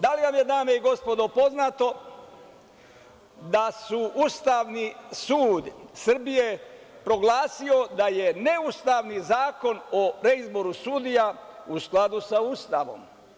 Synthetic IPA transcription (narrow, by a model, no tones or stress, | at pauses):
d̪aliʋamje̞d̪aːme̞iɡo̞spo̞d̪o̞po̞znat̪o̞ | d̪asuʔust̪aʋnisuːd̪sr̩bije̞ | pɾo̞ɡlaːsio̞d̪ajene̞ust̪aʋnizaːko̞noɾeizbo̞ɾusud̪ijausklad̪usauːst̪aʋo̞̰m